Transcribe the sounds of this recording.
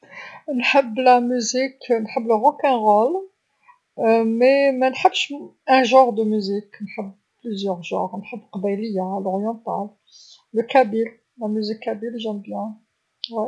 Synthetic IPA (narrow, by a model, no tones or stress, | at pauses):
nħəbːlæmyziknħəbːləʁokɛ̃ʁol | memænħəbːʃæ̃ʒɑ̃ʁd̪əmyziknħəbː | plyzjœʁʒɑ̰̃ʁnħəbːqɑbæjləjalɔʁjɑ̃t̪a̰l | ləkæbil | læmyzikːæbilʒɛmbjɛ̃ | wi